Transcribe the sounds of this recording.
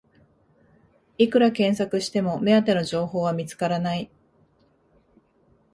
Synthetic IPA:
ikɯ̟ɾakẽ̞ɰ̃sakɯ̟ɕi̥t̪e̞mo̞me̞at̪e̞no̞ʑo̞ːho̞ːβ̞amʲit͡sɨ̥kaɾanai

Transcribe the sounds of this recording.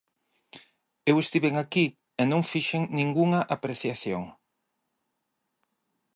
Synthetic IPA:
ewest̪iβeŋaki | enõŋfiʃeŋnĩŋɡuŋɐʔapɾeθjaθjo̰ŋ

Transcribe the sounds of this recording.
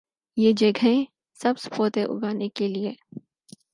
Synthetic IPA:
jeːd͡ʒɐɡʱẽ | sɐbspoːt̪ẽʔʊ̰ɡaːnekelieː

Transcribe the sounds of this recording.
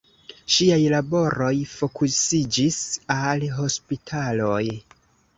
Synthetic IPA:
ʃiajlabo̞ɾo̞jfo̞kusid͡ʒisalɦo̞spitʰalo̞j

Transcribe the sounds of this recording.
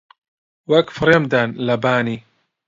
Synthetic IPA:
wɐkfɾemd̪anlɐbaːni

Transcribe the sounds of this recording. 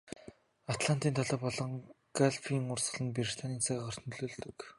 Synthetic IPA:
at̪ɮan̥t̪iːnt̪ʰɔɮɔːpɔɮɞ̆ŋɡaɮfʰiːŋʊrsɢə̆ɮə̆npeɾrt̪ʰaniːnt͡sʰaʁaχɔr̥t̪nɮoːɮt̪ɵ̆k

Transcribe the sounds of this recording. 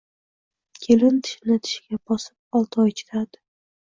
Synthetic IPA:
kʲʰelɪnt̪ʰɪ̥ʃnɪt̪ʰɪ̥ʃɡʲabɒsɪ̥p̚ɒlˠt̪ʰɒjt͡ʃʰɪ̥t̪ʰad̪ɪ̥

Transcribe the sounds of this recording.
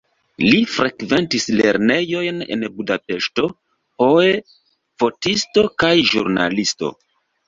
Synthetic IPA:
lifɾʔekve̞ntisle̞̰ɾne̞jo̞jne̞̰nbudape̞ʃto̞ | ho̞e | fo̞tisto̞kajʒṵɾna̰listo̞̰

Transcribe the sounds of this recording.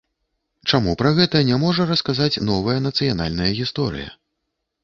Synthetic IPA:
t͡ʂamupɾɐɣɛt̪ɐnʲamɔʐɐɾɐskazat͡sʲnɔvɐjɐnɐt̪sɨjana̰lʲnɐjɐɣʲist̪ɔɾɨ̰jɐ̰

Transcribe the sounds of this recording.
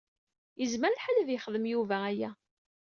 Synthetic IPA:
jəzməɾəlħalæðjəχəðəmjuvææjæ

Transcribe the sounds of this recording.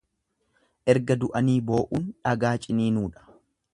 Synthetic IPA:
ʔɛɾɡɐd̪ʊʔɐniːbo̞ːʔuːnᶑɐɡaːt͡ʃʼɪniːnuːᶑɐ̥

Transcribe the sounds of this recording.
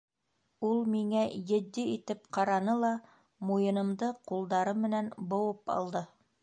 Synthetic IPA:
ulˠmiŋæjɘ̆d̪ːiit̪ɘp̚qɑɾɑnɤlˠɑ | mujɤ̆nɤ̆md̪ɤqulˠd̪ɑɾɤmːɘ̆nænbŏwɤpɑ̰lˠd̪ɤ

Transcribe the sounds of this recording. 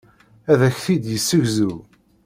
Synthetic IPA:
æðæçθid̪jəsːəʝzu

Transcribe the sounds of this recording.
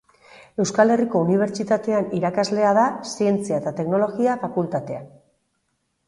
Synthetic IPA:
e̞wskale̞riko̞uniβ̞e̞ɾt͡ʃit̪at̪e̞aniɾakazle̞að̞asie̞nt͡siaet̪at̪e̞kno̞lo̞ɣiafakult̪at̪e̞a̰

